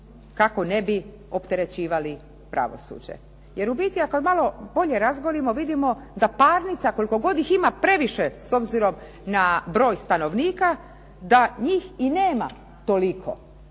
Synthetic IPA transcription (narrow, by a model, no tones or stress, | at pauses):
kako̞nebi | o̞pt̪e̞ɾe̞t͡ɕiːʋali | pɾʔa̰ʋo̞̰sṵːd͡ʑe̞̰ | je̞ɾubit̪iakomalo̞bo̞ʎe̞ɾazɡolimo̞ʋid̪imo̞d̪apaːɾnit̪sako̞liko̞ɡo̞d̪iximapɾe̞ʋiʃeso̞bziɾo̞m | nabɾo̞ːjst̪ano̞ʋniːka | d̪aɲiːxineːma̰ | t̪o̞likʰo̰